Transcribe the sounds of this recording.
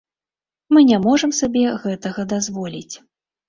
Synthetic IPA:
mɨnʲamɔʐɐmsabʲɛɣɛt̪ɐɣɐd̪azvɔlʲit͡sʲ

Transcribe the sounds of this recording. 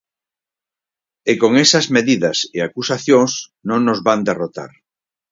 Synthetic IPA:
ekoŋesɐzmeðiðɐseakusaθjõŋsnõŋnozβand̪erot̪a̰ɾ

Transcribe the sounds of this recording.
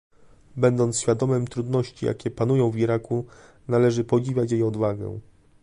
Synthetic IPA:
bɛnd̪ɔnt̪ɕfʲjad̪ɔmɘmt̪ɾud̪nɔɕt͡ɕijʔa̰kʲɛpanujɔ̃w̃viɾaku | nalɛʐɘpɔd͡ʑivʲat͡ɕjejɔd̪vaɡɛ̰̃

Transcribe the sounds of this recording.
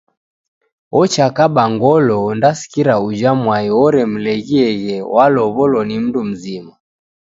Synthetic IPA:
ɔt͡ʃakaɓaŋɡɔlɔndasi̥kiɾaud͡ʒamwaiɔɾɛm̩lɛɣiɛɣɛwʔalɔβɔlɔnim̩ndum̩zima

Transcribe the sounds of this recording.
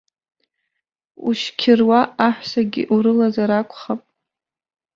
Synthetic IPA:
uʃkʲʰɪrwaaħʷsaɡʲḭʔuɾɨlazaɾakʷʰʼχapʼ

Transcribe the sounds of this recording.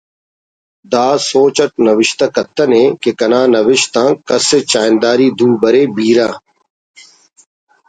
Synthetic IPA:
d̪aːsoːt͡ʃɐʈ̚nɐʋɪʃt̪ɐkɐt̪ːɐnẽːkekɐnaːnɐʋɪʃt̪ãːkɐset͡ɕaːjnd̪aːɾiːd̪uːbɐɾeːbiːɾãː

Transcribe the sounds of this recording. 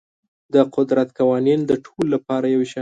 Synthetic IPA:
d̪əqʊd̪ɾat̪kawɑnind̪əʈʰolːapɑɾajaweʃɑ

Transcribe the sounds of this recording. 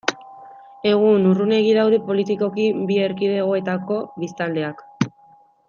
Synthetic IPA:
e̞ɣ̞unurune̞ɣiðawðe̞po̞lit̪iko̞kibieɾkiðe̞ɣ̞o̞e̞t̪ako̞βist̪ald̪e̞ak

